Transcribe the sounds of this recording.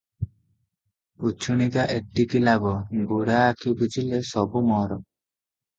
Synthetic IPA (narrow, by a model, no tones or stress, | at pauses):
ut͡ʃʰunikaʔeʈːikilabɔɡuɾaːkʰibʱud͡ʒilesɔbumɔɾɔ